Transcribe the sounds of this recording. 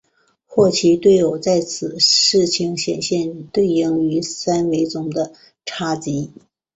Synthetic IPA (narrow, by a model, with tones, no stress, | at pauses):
xwɔ˥˩t͡ɕʰi˧˥t̪we˥˩ɪjo˨˩ʊt͡sa˥˩ɪt͡sʰɹ̩˨˩ʂɻ̩˥˩t͡ɕʰi˧˥ŋɕjɛ̰˨˩nɕjɛ˥˧nt̪we˥˧ɪji˥˩ŋy˧˥sa˥nwe˧˥ɪt͡sʊ˧˥ŋd̪ə˧ | ʈ͡ʂʰa˥t͡ɕi˧˥